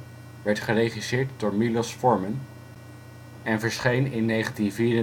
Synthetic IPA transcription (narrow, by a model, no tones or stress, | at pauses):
ʋɛɹtχərejχisɪːɹtdʊːɹmilɔsfɔɹmən | ɛnvəɹsχejnɪnːejχəntinviːɾə